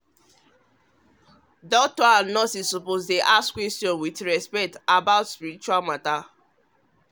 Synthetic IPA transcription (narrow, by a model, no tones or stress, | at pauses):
dɔk̚tɔãnnɔsissɔpozteʔaskwɛstjɔ̃nwitɹɛspɛk̚tabaʊtspiɾit͡ʃuwalmata